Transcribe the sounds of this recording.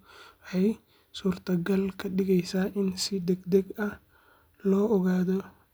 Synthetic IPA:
ħɛj | suːrt̪ʰɐɡɐlkʰɐɗɪɣɛjsaːʔɪnsɪd̪ɛɡd̪ɛɡɐ | lɔːʔɔɣaːðɔ

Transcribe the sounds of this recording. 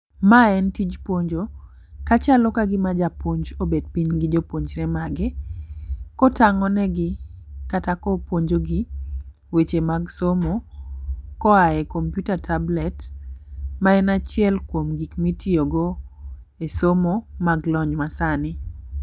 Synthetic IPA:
maɛntid͡ʒpwoɲd͡ʒo | kat͡ʃalɔkaɡɪmad͡ʒapoɲd͡ʒobed̚piɲɡɪd͡ʒopoɲd͡ʒɾɛmaɡɪ | kɔtaŋɔnɛɡɪkatakɔpwoɲd͡ʒoɡɪ | wet͡ʃemaɡsomo | kɔaɛkompjutatʰablɛt | maɛnat͡ʃɪɛlkwomɡikmitioɡo | esomomaɡlɔɲmasanɪ

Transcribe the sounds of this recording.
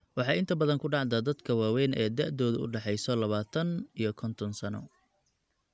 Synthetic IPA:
wɑħɑjɪnt̪ʰɐbɐðɐŋkʰʊɖɑʕd̪ɐd̪ɐd̪kʰɐwaːwɛːnɛ̰ːd̪ɐʕd̪ɔːðʊʊ̰ɖɑħɛjsɔlɐβaːt̪ʰɐnijɞkʰɔnt̪ʰɔnsɐnɔ̰

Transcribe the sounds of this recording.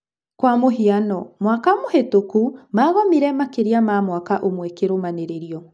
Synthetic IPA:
kwamoɦianɔmwakamohetokumaɣɔmiɾɛmakeɾiamamwakaʔomwɛkeɾomaneɾeɾiɔ

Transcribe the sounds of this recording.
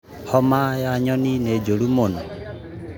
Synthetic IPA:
hɔmajaɲɔninɛd͡ʒolumonɔ

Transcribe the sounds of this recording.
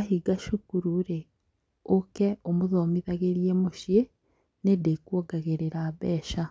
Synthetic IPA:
ahiɡaʃukuɾuɾe | okeomuðomiðaɣeɾjemuʃje | nedekwoɡaɣeɾeɾaβeːʃa

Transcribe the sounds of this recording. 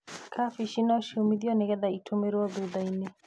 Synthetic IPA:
kʰafiʃinaʃiɔmiðiɔnɛɣɛðaitʰomɛɾwɔðuðainɛ

